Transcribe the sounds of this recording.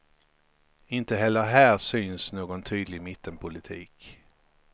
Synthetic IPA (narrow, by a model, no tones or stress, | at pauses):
ɪnt̪əɦɛlːəɾɦæːɾsyːnsnoːɡɔnt̪ʰyːd̪lɪɡmɪt̪ʰːənpʰʊlɪt̪ʰḭːk